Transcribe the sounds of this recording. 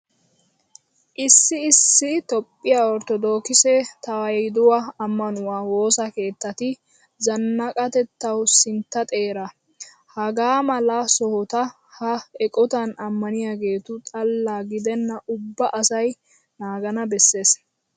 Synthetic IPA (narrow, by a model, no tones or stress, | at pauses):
ʔɪsːɪɪsːɪt̪ɔpʼːɪjaːɔɾt̪ɔd̪o̞ːkɪsɛt̪ɐwɐjjd̪ʊwɐɐmːɐnʊwaːwo̞ːsɐke̞ːt̪ːɐt̪ɪ | zɐnːɐkʼɐt̪ɛt̪ːɐwsɪnt̪ːɐt̪ʼe̞ːɾɐ | hɐɡaːmɐlɐsɔhɔt̪ɐ | hɐɛkʼɔt̪ɐnɐmːɐnɪjaːɡe̞ːt̪ʊt͡sʼɐlːaːɡɪd̪ɛnːɐʔʊbːɐʔɐsɐj | naːɡɐnɐbɛsːe̞ːs